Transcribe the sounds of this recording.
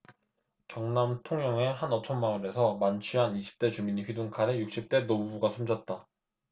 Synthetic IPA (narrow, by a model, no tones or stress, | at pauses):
kjʌŋnamtʰoŋjʌŋe̞ɦanʌt͡ɕʰʌnmaɯne̞sʰʌmant͡ɕʰɥiɦaniɕʰi̥p̚t͈e̞t͡ɕumiɲiɸɥiduŋkʰaɾejuk̚ɕ͈ip̚t͈e̞nobubuɡasʰumd͡ʑʌt̚t͈a